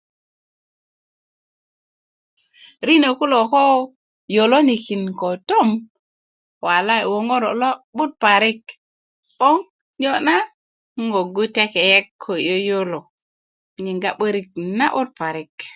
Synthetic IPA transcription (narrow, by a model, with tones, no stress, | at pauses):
ɾi˦ne˨ku˦lo˨ko˦ | jo˨lo˦ni˨ki˨nko˨to˦m | wa˨la˦i˨wo˨ŋo˦ɾo˨lo˦ɓu˦t̚pa˨ɾi˦k | ɓo˦ŋ | ɲo˦na˦ | ŋo˨ɡu˦te˦ke˨je˦kʰːo˨jo˦jo˦lo˨ | ɲi˨ŋɡa˦ɓə˦ɾi˦k̚na˦ʔu˦t̚pa˨ɾi˦k